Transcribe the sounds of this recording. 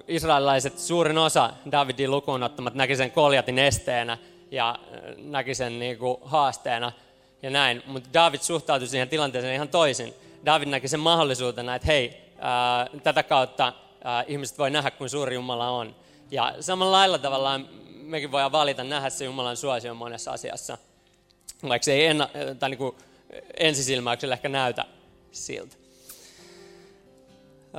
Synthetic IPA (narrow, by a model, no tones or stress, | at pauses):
isrɑililɑiset̪suːrinosɑdɑːʋidiːlukuːnot̪ːɑmɑt̪nækiseŋkoljɑt̪inest̪eːnæ | jɑ̰nækisenniːkuhɑːst̪eːnɑ | jɑnæinmut̪dɑːʋid̪̥suht̪ɑut̪usiːhent̪ilɑnt̪eːseːnihɑnt̪oisindɑːʋidnækisemmɑholːisuːt̪enɑet̪heiː | t̪æt̪ækɑut̪ːɑː | ʔihmiset̪ʋoinæɦækkunsuːrijumɑlɑon | jɑ̰sɑmɑllɑilːɑt̪ɑʋɑlːɑːmmekiʋʋoijɑʋʋɑlit̪ɑnnæhæssejumɑlɑnsuɑsiomonesːɑ̰sḭɑ̰sːɑ̰ | ʋɑikseienːɑt̪ɑiniːŋku | ensisilmɑykselehkænæyt̪æ̰ | sḭlt̪